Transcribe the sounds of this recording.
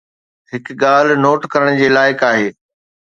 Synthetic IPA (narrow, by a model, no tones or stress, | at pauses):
ɦɪkɠaːl̤noːʈkɐɾəɽ̃d͡ʑeːlaːɪkaːɦeː